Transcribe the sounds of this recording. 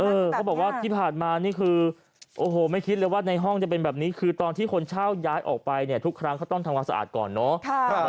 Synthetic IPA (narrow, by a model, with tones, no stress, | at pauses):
ʔɤː˧kʰa˦˥wbɔː˨˩k̚waː˥˩t̪ʰiː˥˩pʰaː˨˩nmaː˧niː˥˩kʰɯː˧ | ʔoː˨˩hoː˨˩ma˥˩jkʰi˦˥t̪̚lɤː˧jwaː˥˩na˧jɦɔ˥˩ŋt͡ɕa˨˩pe˧nbɛː˨˩p̚niː˦˥kʰɯː˧t̪ɔː˧nt̪ʰiː˥˩kʰo˧nt͡ɕʰaː˥˩wjaː˦˥jʔɔ̰ː˨˩k̚pa˧jni˥˩ɐt̪ʰu˦˥kʰɾa˦˥ŋʰa˦˥˩wt̪ɔ˥˩ŋt̪ʰa˧mkaː˧nsa˧a̰ː˨˩t̪̚kɔ̰ː˨˩nːɔ˦˥